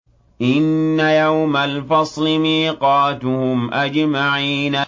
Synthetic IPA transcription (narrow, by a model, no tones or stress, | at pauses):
ʔɪnːajawmalfɑsˤlɪmiːqɑːt̪ʊhʊmʔad͡ʒmaʕiːna